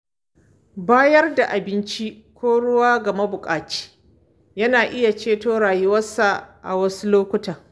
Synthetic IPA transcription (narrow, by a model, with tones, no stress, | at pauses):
baː˦jɐ˦rda˨ʔa˨bɪ˦nt͡ʃi˦ | kʷoː˦ɽʊ˦waː˦ɡɐ˨ma˦bʊ˨kʼaː˨t͡ʃi̥ː˦ | jɐ˦naː˨ʔɪ˦ja˨t͡ʃeː˦toː˦ɽaː˨ji˦wɐ˦sːa˨ʔa̰˨wɐ˦su˦loː˦kʷʊ˦taː˨